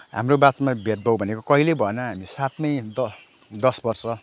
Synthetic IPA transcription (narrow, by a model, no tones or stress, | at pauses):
ɦa̰mrobat̪mabʱet̪̚bʱʌwbʱʌnekokʌɦilebʱʌenʌɦamisat̪mʌjd̪ʌ | d̪ʌsbʌrsʌ